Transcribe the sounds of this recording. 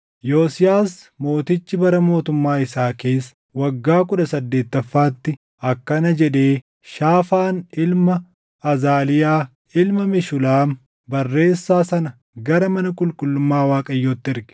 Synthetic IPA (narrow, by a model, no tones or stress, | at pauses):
joːsɪjaːs | mo̞ːt̪ɪt͡ʃːɪbɐɾɐmo̞ːt̪ʊmːaːɪsaːke̞ːs | wɐɡːaːkʊᶑɐsɐd̪ːe̞ːt̪ːɐfːaːt̪ːɪ | ɐkːɐnɐd͡ʒɛᶑe̞ː | ʃaːfaːnɪlmɐ | ɐzaːlɪjaː | ɪlmɐmɪʃʊlaːm | bɐrːe̞ːsːaːsɐnɐ | ɡɐɾɐmɐnɐkʼʊlkʼʊlːʊmːaːwaːkʼɐjːoːt̪ːɪɪɾɡɪ̥